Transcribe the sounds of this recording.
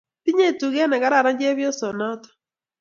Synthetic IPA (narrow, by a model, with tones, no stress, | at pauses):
ti˦ɲe˦tu˨ɡɛ˦na˨ka˦ɾa˦˨ɾa˦ɲd͡ʒe˦βjɔ˦sɔ˨nɔ˦tɔ̥˨